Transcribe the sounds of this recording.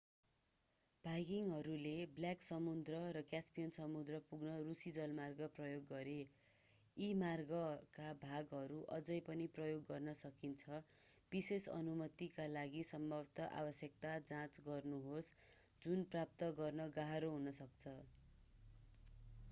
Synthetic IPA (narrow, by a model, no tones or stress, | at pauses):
b̥ʱajɡiŋɦʌɾulebljaksʌmud̪rʌɾʌkjaspijʌnsʌmud̪rʌpuɡnʌrusid͡zʌlmarɡʌprʌjoɡːʌɾe | imarɡʌkabʱaɡɦʌɾuʔʌd͡zʌjpʌniprʌjoɡːʌrnʌsʌkint͡sʰʌ | b̥isesʌ̰numʌt̪ikalaɡisʌmbʱʌbt̪ʌʔa̰bʌsjʌk̚t̪ad͡zãt͡sɡʌrnuɦos | d͡zunprap̚t̪ʌɡʌrnʌɡaɦaɾoɦunʌsʌkt͡sʰʌ